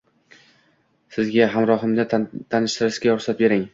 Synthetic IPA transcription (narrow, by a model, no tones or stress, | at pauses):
sɪzɡʲaɦamɾɒɦɨmd̪at̪ʰanɪʃt̪ɪɾɪʃɡʲaɒɾsat̪̚be̞ɾɪŋ